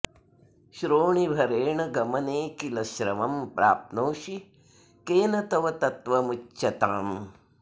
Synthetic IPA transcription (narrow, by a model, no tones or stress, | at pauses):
ʃɾoːɳibʱɐɾeːɳɐɡɐmɐneːkilɐʃɾɐʋɐmpɾa̰ːp̚t̪noːʃi | keːnɐt̪ɐʋɐt̪ɐt̪ʋɐmut͡ʃːʃɐt̪aːm